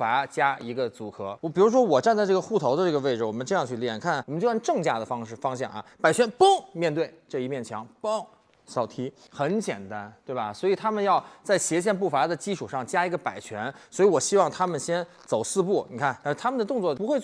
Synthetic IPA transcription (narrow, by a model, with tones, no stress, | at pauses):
fa˧˥t͡ɕja˥i˧˥ɡə˧t͡su˧˥kʰɤ̰˧˥˧pi˨˩ɻu˧˥ʂ̬wɔ˥wɔ˨˩ʈ͡ʂa˥˧nt͡sa˥˧ɪʈ͡ʂɤ˥˩ɡə˦xu˥˩t̪ʰo˧˥ʊd̪ə˧ʈ͡ʂɤ˥˩ɡə˩˧e˥˩ɪʈ͡ʂɻ̩˩wɔ˨˩mə˦nʈ͡ʂɤ˥˧jɑ˥˧ŋt͡ɕʰy˥˩ljɛ˨˩nkʰa˥˩nwm˦t͡ɕjo˥˧jʈ͡ʂɤ˥˧ŋt͡ɕja˥˩d̪ə˩fɑ˥ŋʂ̩˥˩fɑ˥ŋɕjɑ̰˥˩ŋɐ̰˩pa˨˩ɪt͡ɕʰɥɛ˧˥npʊ˥ŋmjɛ˥˧nt̪we˥˧ɪʈ͡ʂɤ˥˩i˥mjɛ˥˩nt͡ɕʰjɑ˧˥ŋpo˥ŋ | sɑ˨˩ʊt̪ʰi˥ | xə˧˥nt͡ɕjɛ̰˨˩nt̪a˥nt̪we˥˩ɪbɐ˩swɔ˧˥i˨˩t̪ʰa˥mə˨njɑ˥˧ʊt͡sa˥˩ɪɕjɛ˧˥ɕ̬jɛ˥˧np̬u˥˩fa˧˥d̪ə˧t͡ɕi˥ʈ͡ʂʰu˨˩ʂɑ˥˩ŋt͡ɕja˥i˧˥ɡə˧pa˨˩ɪt͡ɕʰɥɛ˧˥nswɔ˧˥i˧˥wɔ˨˩ɕi˥wɑ˥˩ŋt̪ʰa˥mə˨nɕjɛ˥n | t͡so˨˩ʊsɹ̩˥˧pu˥˩ni˨˩kʰa˥˩nt̪a˥nʂɻ̩˥˩t̪ʰa˥mə˨nd̪ə˩t̪ʊ˥˧ŋt͡swɔ˥˧˩pxwe˥˧ɪ